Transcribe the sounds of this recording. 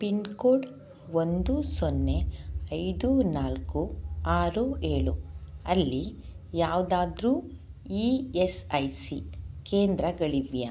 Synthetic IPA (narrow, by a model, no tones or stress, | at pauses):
pinkoːɖ | ond̪usonːeɐjd̪unaːlkuaːɾue̞ːɭuɐlːi | jaːʋd̪aːd̪ɾuː | iːesɐjsikeːnd̪ɾɐɡɐɭiʋjɐ